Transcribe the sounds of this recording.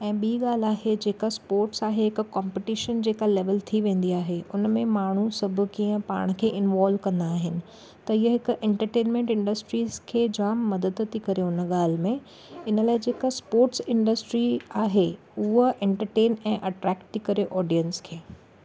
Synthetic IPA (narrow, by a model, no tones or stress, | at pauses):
ɛ̃ːɓiːɠaːl̤aːɦed͡ʑeːkaspoːɾʈsaːɦeɦɪkʊkɔ̃ːmpɪʈɪʃənd͡ʑeːkaleːʋəlt̪ʰiʋẽːn̆d̪iaːɦeʊnəmẽmaːɳ̤usɐbʱʊ̆kiːə̃pa̰ːɽ̃kʰeːʔɪnʋaːlʋkɐ̃nd̪aːɦɪnɪ̆ | t̪ɐiɦəɦɪkʊʔɛ̃ɳʈəɾʈeːnmẽɳʈɪ̃ɳɖəsʈɾiːzkʰeːd͡ʑaːmːɐd̪əd̪t̪ʰikɐɾeʊnəɠaːl̤ɪmẽ | ɪnəlaːɪd͡ʑeːkaspoːɾʈsɪ̃ɳɖəsʈɾiaːɦe | ʊɦoʔɛ̃ɳʈəɾʈeːnɛ̃ːʔɐʈɾɛːkʈ̚t̪ʰːikɐɾeʔɔːɖijə̃nskʰeː